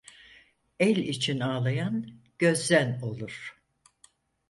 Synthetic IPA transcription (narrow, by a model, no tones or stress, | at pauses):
ɛlʲit͡ʃʰinaːlˠajan | ɟ̥ø̞zːæno̞lˠuɾ̥